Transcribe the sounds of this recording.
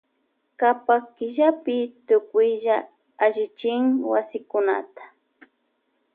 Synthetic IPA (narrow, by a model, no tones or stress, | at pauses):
kapakɪʒapɪt̪ʊkʊjʒa | aʒɪt͡ʃɪŋwasɪkʊna̰t̪ḁ